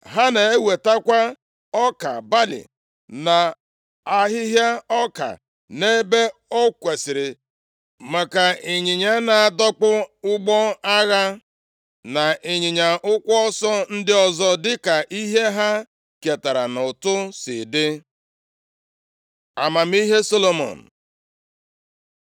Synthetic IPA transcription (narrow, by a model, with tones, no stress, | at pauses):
ɦa˦ne˨e˦we˨ta˦kʷa˦ | ɔ˦ka̰˨ba˦lɪ̰˨ | na˨ | a˦ɦɪ˦ɦja˦ɔ˦ka̰˨ | ne˦be˦ɔ˦kʷe˨sɪ˨ɾɪ˨ | ma˨ka˨e˨ɲɪ˨ɲa˦na˨a˨dɔ˦k͡pʊ˦ʊ˦ɡ͡bɔ˦a˦ɣa˦ | na˨ʔe˨ɲɪ˨ɲa˨ʔʊ˦kʷɔ˦ɔ˦sɔ˦n̩˦dɪ˦ɔ˦zɔ˦dɪ˦ka˨ʔi˦ɦe˦ɦa˦ | ke˨ta˨ɾa˨nʊ˨tʊ˦sɪ˨dɪ˦ | a̰˨ma˨m˦i˦ɦe˦so˦lo˨mo̰˨n̩˨